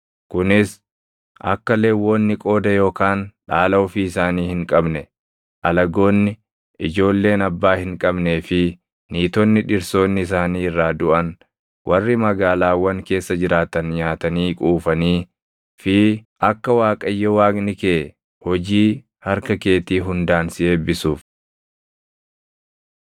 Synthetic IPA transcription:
kʊnɪs | ʔɐ̰kːɐle̞ːwːoːnːɪkʼo̞ːd̪ɐjo̞ːkaːnᶑaːlɐʊfiːɪsaːniːhɪŋkʼɐbnɛ | ʔɐlɐɡo̞ːnːɪ | ʔɪd͡ʒo̞ːlːe̞ːnɐbːaːhɪŋkʼɐbne̞ːfɪ | niːt̪ɔnːɪᶑɪɾso̞ːnːɪs̬aːniːɪrːaːd̪ʊʔɐn | wʔɐrːɪmɐɡaːlaːwɐŋke̞ːsːɐd͡ʒɪɾaːt̪ɐnɲaːt̪ɐniːkʼuːfɐniː | fɪʔɐkːɐwaːkʼɐjːɔwaːɡnɪkeː | hɔd͡ʒiː | hɐɾkɐke̞ːt̪iːɦʊnd̪aːnsɪe̞ːbɪsuːf

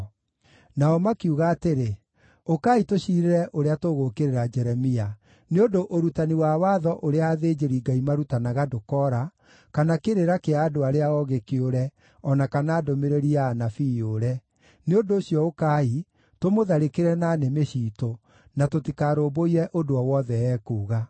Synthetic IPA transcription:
naɔmakiuɣaːteɾe | okaːitoɕiɾeɾɛʔoɾeatoɣokeɾeɾad͡ʒɛɾɛmia | neondoʔoɾutaniwawaːðɔʔoɾeaːðeːd͡ʒeɾiɡaimaɾutanaɣadokɔɾa | kanakeɾeɾakeaːdoaɾeaɣɔɣekeoɾɛ | ɔnakanaːdomeɾeɾiaːnafijoɾɛ | neondoːɕjɔokaːi | tomoðaɾekeɾɛnaːnemeɕiːto | natotikaːɾoːboiɾɛʔodoɔwɔðɛɛːkuːɣa

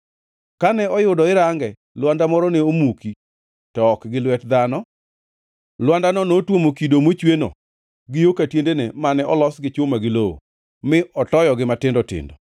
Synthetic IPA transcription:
kanɛɔjʊdɔɪɾaŋɡɛ | lwandamɔɾɔneomuki | tɔkɡɪlwɛtd̪anɔ | lwandanɔnotwomokidomot͡ʃweno̰ | ɡɪjokatjendenemanɛɔlɔsɡɪt͡ʃʊmaɡɪloo̰ | mɪʔɔtɔjɔɡɪmatɪndɔtɪ̰ndɔ

